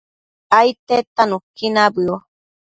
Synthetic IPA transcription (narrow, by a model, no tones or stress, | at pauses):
ajt̪et̪anũkːinabɨo